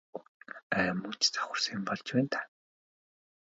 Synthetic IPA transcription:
æːmuːt͡ɕt͡sḁχʊ̆rsiːmpɔɮt͡ɕpæːnt̪ʰḁ

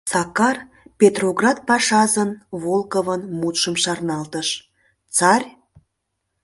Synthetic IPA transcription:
sɑkɑr | pʲet̪roɡrɑt̪̚pɑʃɑzənβolkovənmut̪ʃəmʃɑrnɑlt̪əʃ | t͡sɑrʲ

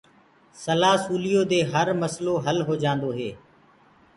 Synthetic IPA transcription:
səlaːsuːlijoːd̪eːɦəɾməsloːɦəlɦoːd͡ʒãːnd̪oːɦeː

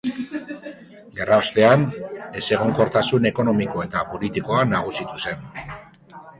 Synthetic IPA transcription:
ɡe̞rao̞st̪e̞ane̞se̞ɣ̞o̞ŋko̞ɾt̪asune̞ko̞no̞miko̞e̞t̪apo̞lit̪iko̞anaɣ̞usit̪use̞n

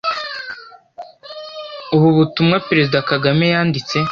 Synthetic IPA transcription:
uβuβutumŋapeɾe̞zidakaɡame̞jaːndit͡se̞

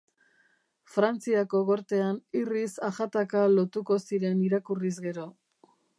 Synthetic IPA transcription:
fɾant͡siako̞ɣo̞ɾt̪e̞anirisaʝat̪akalo̞t̪uko̞siɾe̞niɾakurizɣe̞ɾo̞

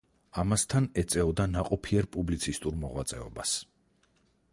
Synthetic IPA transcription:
amast̪ʰanɛt̪sʼɛɔd̪anaqʼɔpʰiɛɾpʼublit̪sʰist̪ʼuɾmɔʁwat̪sʼɛɔbas

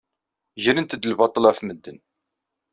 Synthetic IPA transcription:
ʝəɾənt̪əd̪əlbɑt̪ˤəlæθməd̪ːən

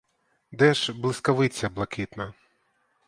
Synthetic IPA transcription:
d̪ɛʂblˠɨskɐʋɪt͡sʲːɐblˠɐkʲit̪nɐ

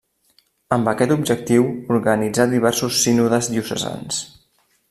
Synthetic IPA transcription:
əmbəkɛt̪ubd͡ʒək̚t̪iwuɾɣənid͡zaðiβ̞ɛɾsusːinuðəzðiusə̰za̰ns

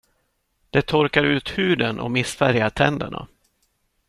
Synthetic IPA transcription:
d̪̥ɛt̪ʰɔɾkaɾʉ̟ːt̪hʉ̟ːd̪ənʔɔ̰mɪsfæɾjaʈʰɛnd̪ə̰ɳa̰

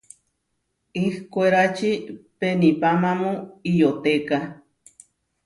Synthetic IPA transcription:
ihkʷeɾat͡ʃipenipamamuijot̪eka

